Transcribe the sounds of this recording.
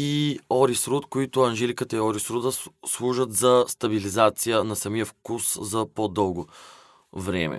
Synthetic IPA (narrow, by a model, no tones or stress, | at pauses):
iɔɾisɾut̪koit̪ʊɐnʒɛlikət̪əiɔɾisɾud̪əslˠuʒət̪zɐst̪ɐbilizat̪sijənɐsɐmijəfkuszɐpod̪ɤlˠɡo | vɾɛ̰mɛ̰